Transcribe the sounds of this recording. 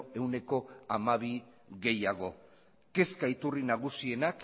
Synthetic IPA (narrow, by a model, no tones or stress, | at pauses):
e̞wne̞ko̞amaβi | ɣe̞jaɣ̞o̞ | ke̞skait̪urinaɣ̞usie̞nak